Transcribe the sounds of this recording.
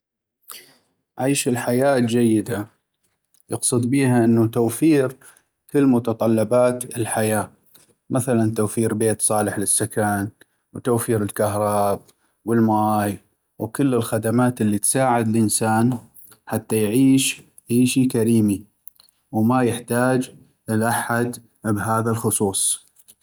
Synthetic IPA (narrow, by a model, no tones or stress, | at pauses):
ʕiːʃɪlħajaːd͡ʒajːɪd̪a | jɨqsˤɨd̪biːɦaʔɪnːut̪awfiːɾ | kɪlːmʊt̪ɑt̪ˤɑlːɑbaːt̪ɪlħajaː | mʔaθalant̪awfiːɾbeːt̪sˤɑːlɪħlɪsːakaːn | wt̪awfiːɾɪlkaɦɾˤɑːb̚ | wɪlmaːj | wkɪlːɪlxad̪amaːt̪ɪlːit̪saːʕɪd̪ɪlʔɪnsaːn | ħat̪ːajʕiːʃ | ʕiːʃikaɾiːmi | wmajɪħt̪aːd͡ʒ | ɪlʔaħad̪ | bɦaːðalxʊsˤuːsˤ